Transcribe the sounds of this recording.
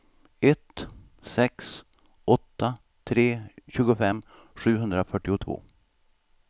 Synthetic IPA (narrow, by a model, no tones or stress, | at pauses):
ɛt̪ | sɛks | ɔt̪ːa | t̪ʰɾeːɕʉːɡʊfɛmː | ɧʉ̟ːɦɵnd̪ɾafœʈːɪʊt̪ʰvo̰ː